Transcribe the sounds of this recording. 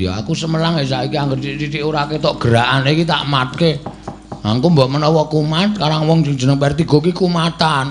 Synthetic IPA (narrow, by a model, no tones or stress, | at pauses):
ja̰a̰kusəməlaŋɛsaikiaŋɡərt͡ʃit͡ʃit͡ʃiʔuɾaket̪ɔʔɡ̥əɾaʔanikit̪a̰ʔəmat̪̚ke | laŋkumbaʔmənɔwɔkumat̪̚kaɾaŋwɔŋsɪŋd͡ʒ̥ənəŋpɛrt̪iɡ̥o̤kikumat̪an